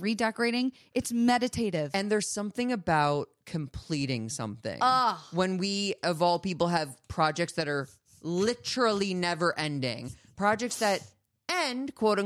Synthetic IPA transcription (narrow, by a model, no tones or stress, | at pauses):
ɹidɛkə˞eɪɾɪ̃ŋ | ɨtsmɛɾɨtʰeɪɾɪv̥ɨ̃nðə˞z̥sʌ̃mθɪ̃ŋɨbaʊt̚kʰɨ̃mpʰl̥iɾɪ̃ŋsʌ̰̃mθɪ̰̃ŋwə̃nwiʌvɔlˠpipl̩ˠɨv̥pʰɹ̥ɑd͡ʒɛk̚tsðɨɾə˞ | lɪɾə˞l̩ˠinɛvə˞ʔɛ̃ndɪ̰̃ŋpʰɹ̥ɑd͡ʒɛk̚tsðɨɾ | ɛ̃ndkʰw̥oʊɾɪ̃